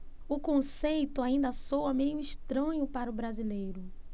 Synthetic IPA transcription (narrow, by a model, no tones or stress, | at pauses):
ʊkõsejt̪ʊaĩnd̪ɐsowɐmejʊiʃt̪ɾɐ̃ɲʊpaɾʊbɾazilejɾʊ